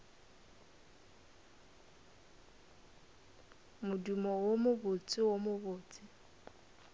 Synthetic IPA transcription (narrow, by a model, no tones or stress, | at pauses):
mʊdumɔwomʊbʊt͡sʼɪwomʊbʊːt͡sʼɪ